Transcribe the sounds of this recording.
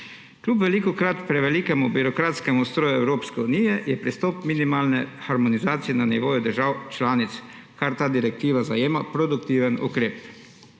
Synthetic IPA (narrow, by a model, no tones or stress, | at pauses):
klʲupʋɛlikɔkɾat̪pɾɛʋɛliːkɛmubiɾokɾaːt̪skɛmust̪ɾoːjuɛwɾoːpskɛunijɛjɛpɾist̪oːpminimalnɛxaɾmɔnizaːt̪sijɛnaniʋoːjud̪əɾʒaːwt͡ʃlaːnit̪s | kaɾt̪aːd̪iɾɛk̚t̪iːʋazajeːmapɾod̪ukt̪iːʋənṵkɾeːp